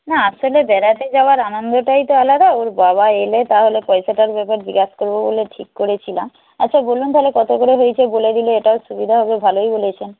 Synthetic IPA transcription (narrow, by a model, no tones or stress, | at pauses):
naaʃolebɛɾat̪ed͡ʑaoaɾanond̪oʈajt̪oalad̪aoɾbaβaelet̪aɦolepɔjsaʈaɾbɛpaɾd͡ʑiɡaʃkoɾbobo̰leʈʰikːoɾet͡ɕʰilam | a̰tːɕʰabolunt̪aɦolekɔt̪okoɾeɦojet͡ɕʰeboled̪ileeʈaoʃubid̪ʱaɦɔbebʱalojbolet͡ɕʰen